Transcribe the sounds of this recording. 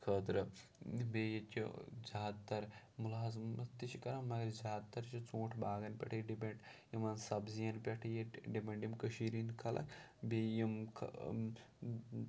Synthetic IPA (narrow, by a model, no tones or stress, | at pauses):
kʰɐt̪ɾɨbeːjet͡ʃʲḭd͡ʒaːt̪ːɐɾ | mulaːɐzmɐt̪it͡ʃʰikɐɾamɐɡɐɾzaːt̪ːɐɾt͡ʃʰit͡sõːʈʰbaːɡɐnpʲɐ̰ʈʰɐjɖibɐɳʈjimɐnsɐbzijɐnpʲɐʈʰjiɖibʲɐɳɖjimkəʃiːɾinkʰɐlʔɐ̰kbejimkʰɐ